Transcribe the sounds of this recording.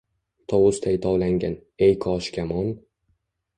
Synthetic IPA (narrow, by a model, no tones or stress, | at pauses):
t̪ʰɒwʊst̪ʰajt̪ʰɒwlaŋɡʲan | ejkʰɒʃkʲʰamɒn